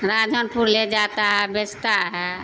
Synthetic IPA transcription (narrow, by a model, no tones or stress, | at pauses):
ɾad͡ʒʱənpuɾled͡ʒat̪aɦɛbest̪aɦɛ